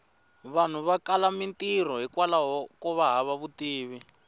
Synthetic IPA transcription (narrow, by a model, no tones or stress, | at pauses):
βan̤uβakalamintir̤ɔɦikwalaɦɔkɔβaɦaβaβutiːβi